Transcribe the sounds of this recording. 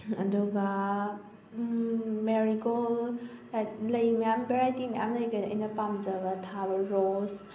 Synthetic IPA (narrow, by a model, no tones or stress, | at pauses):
ɐ̰duɡa | meɾiɡol | lɐjmɐjambeɾajtimɐja̰mlɐjɡɐdɐ̰jnɐpamzɐɡɐtʰabɐɾos